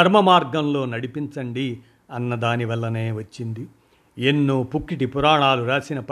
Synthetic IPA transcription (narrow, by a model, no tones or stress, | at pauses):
ɐɾmɐmaːɾɡɐmlo̞ːnɐɽipint͡ʃɐɳɖi | ɐnːɐd̪aːniʋɐlːɐne̞ːʋɐt͡ʃːind̪i | enːuːpukːiʈipuɾaːɳaːluɾaːsinɐp